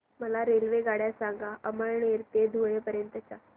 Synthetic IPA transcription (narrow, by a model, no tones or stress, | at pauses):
məlaɾelʋeɡaɽjasãŋɡaʔəməɾɳeɾt̪ed̪ʱuɭepəɾjənt̪ət͡ɕa